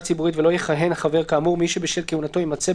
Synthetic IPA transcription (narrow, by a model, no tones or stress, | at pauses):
t͡sibuʁitvelo̞jeχaɦenhaχave̞ʁkaːmuʁmiʃebeʃelkeunat̪o̞imat͡se